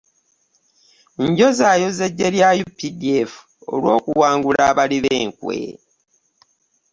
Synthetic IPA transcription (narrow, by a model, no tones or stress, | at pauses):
ɲɟo̞zaːjo̞zeɟːe̞ljajupːide̞fu̥ | o̰lwo̞ːkuwaːŋɡulaːβaliβḛːŋkwḛ